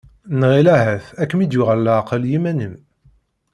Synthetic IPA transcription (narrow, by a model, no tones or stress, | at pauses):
nʁilæhæθækːmid̪jʊʁəlːæqəljimænəm